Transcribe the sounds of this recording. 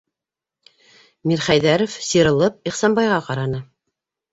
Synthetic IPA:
miɾχæjðæɾŏfsiɾɤ̆lˠɤp̚iχsɑnbɑjʁɑqɑɾɑnɤ

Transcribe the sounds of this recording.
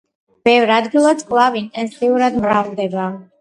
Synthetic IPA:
b̥ɛvɾad̪ɡilˠɔsʼkʼlˠavint̪ʼɛnsʼiuɾad̪mɾavd̪ɛba

